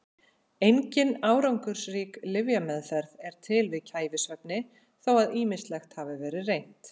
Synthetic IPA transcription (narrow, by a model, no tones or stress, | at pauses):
ejɲcɪnaːwɾawŋkʏɾ̥sriːklɪvjamɛðfɛɾðɛɾ̥t̪ʰɪlvɪðcʰaːjvɪsvœp̚nɪ | θawaðiːmɪst̪lɛxt̪haːvɪvɛːɾɪrejn̥t̪